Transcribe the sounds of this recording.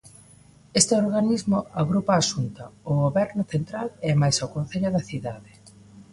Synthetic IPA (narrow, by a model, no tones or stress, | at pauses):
est̪eoɾɣanizmʊaɣɾupaːsunt̪ɐʊɣoβɛɾnʊθent̪ɾalɛmajsawkõn̟θeʎaðɐθiðaðe